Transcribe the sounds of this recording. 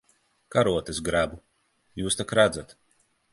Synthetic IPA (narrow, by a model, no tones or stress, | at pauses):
kaɾuɔt̪es̬ɡɾabu | juːst̪akɾad̪zat̪